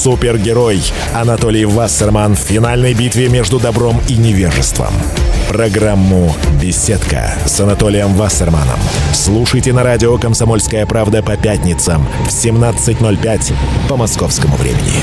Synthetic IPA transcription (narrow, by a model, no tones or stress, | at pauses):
supʲɪrɡʲɪɾoj | ɐnɐt̪olʲɪjvasɐrmanfʲfʲɪn̪alʲnəjbʲit̪vʲɪmʲe̞ʐd̪ʊd̪ɐbɾo̞minʲɪvʲeʐɨ̰st̪və̰m | pɾɐɡɾamːʊbʲɪsʲet̪kə̰ | sɐnɐt̪o̞lʲɪjəmvasɐrma̰nə̰mslˠuʂəjtʲɪnɐɾadʲɪokəmsɐmo̞lʲskəjəpɾavd̪əpɐpʲætʲnʲɪt̪səm | fsʲɪmnat̪sɨtʲnolʲpʲætʲpəmɐskofskəmʊvɾʲḛmʲɪ̰nʲɪ̰